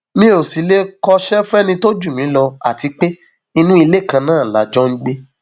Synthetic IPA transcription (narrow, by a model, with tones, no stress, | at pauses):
mĩ˦o˨si˨˦le˦kɔ˧ʃɛ˦fɛ˦nĩ˧to˦d͡ʒu˦˨mĩ˨˦lɔ˧a̰˨ti˧k͡pe˦ | i˧nũ˦i˧le˦˨kã˧nãː˦˨la˨d͡ʒɔ˦ŋ̩˦ɡ͡be˦